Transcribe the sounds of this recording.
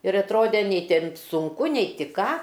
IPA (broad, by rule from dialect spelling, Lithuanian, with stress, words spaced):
ɪr ɐtˈroːdʲɛ ˈnʲɛɪ ˈtʲɛn sʊŋˈkʊ nʲɛɪ tʲɪ ˈkɑː